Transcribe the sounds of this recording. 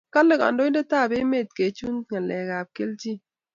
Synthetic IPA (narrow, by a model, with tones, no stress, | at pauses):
ka˦lɪ˦˨ka̰˨ndo˦nde˦ta˦˨be˦me˦˨t̚ke˨t͡ʃu˦ntŋa˨lɛ˨ka˨p̚ke˦lt͡ʃi˦